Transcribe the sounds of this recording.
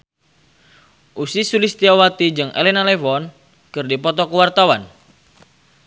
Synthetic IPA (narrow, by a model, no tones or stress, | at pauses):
ʔusisulist̪iawat̪id͡ʒɨŋʔḛlɛnalɛfɔn | kɨrdipɔt̪ɔkəwart̪awan